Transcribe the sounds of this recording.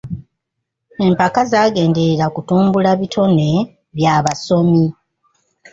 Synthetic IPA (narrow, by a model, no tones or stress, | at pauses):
e̞mpakazaːɡe̞ːnde̞ɾakutuːmbulaβitʰo̞ne̞ | βjaːβaso̞mi